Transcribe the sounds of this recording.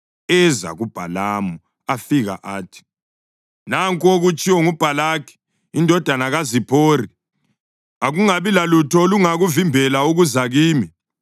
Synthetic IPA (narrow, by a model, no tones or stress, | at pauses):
ɛza̰ɣub̥ʱalaːmu | afiɣa̰ʔaːtʰi̥ | naŋkʼoɣut͡ʃʼiwɔŋub̥ʱalakʰi̥ | indʱɔd̥ʱanaɣazipʰoːri | aɣuŋaβilalutʰɔluŋaɣuvimbʱɛlauɣuzaɣiːmi